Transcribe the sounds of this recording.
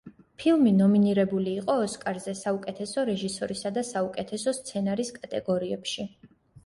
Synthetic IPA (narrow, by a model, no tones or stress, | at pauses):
pʰilˠminɔminiɾɛbuliːqʼɔːskʼaɾzɛsaukʼɛt̪ʰɛsɔɾɛʒisɔɾisad̪asaukʼɛt̪ʰɛsɔst̪sʰɛnaɾiskʼat̪ʼɛ̰ɡɔɾiɛpʃi